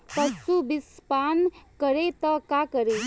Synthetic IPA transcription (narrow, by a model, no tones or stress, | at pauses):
pɐsubispankəɾet̪əkakəɾe